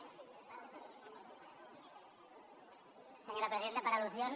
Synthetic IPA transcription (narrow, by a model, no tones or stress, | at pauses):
səɲoɾapɾəziðent̪əpəɾəluzjon